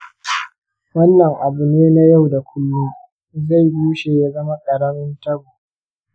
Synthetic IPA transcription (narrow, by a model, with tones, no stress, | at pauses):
wɐ˦nːɐ˨ŋʔa˨bʊ˨neː˦na˦ja˦˨wda˨kʷʰʊ˦lːu˦ | za˦˨jbuː˦ʃeː˨ja˦zɐ˦ma˦kʼɐ˨ɽɐ˦mɪ˦ntɐ˦bu˨